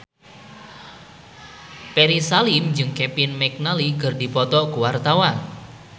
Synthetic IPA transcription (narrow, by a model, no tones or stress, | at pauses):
pɛɾisalɪmd͡ʒɨŋkɛpɪnmɛk̚nalikərdipɔt̪ɔkuwart̪awan